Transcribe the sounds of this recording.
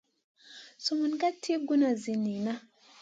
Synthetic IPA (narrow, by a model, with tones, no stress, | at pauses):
su˨mu˨nɡa˦tʰi˦ɡu˦na˨zi˨ni˨na˦